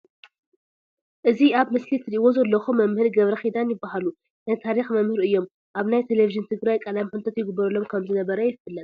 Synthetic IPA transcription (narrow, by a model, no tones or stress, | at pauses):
ʔɨziaβmɨslit̪ʰɨɾiʔwo̞zɐlːɐxumɐmhɨɾɡɐβɾɐxid̪anjɪbːaɦalu | najt̪ʰaɾixmɐmhɨɾɨjːo̞m | ʔaβnajt̪ʰeleviʒɨnt̪ʰɨɡɾajkʼɐlamħɨnt̪ʰɐt̪jɪɡɨbːɐɾɨlːomkʰɐmzɨnɐβɐɾɐjɪfɨlːɐt̪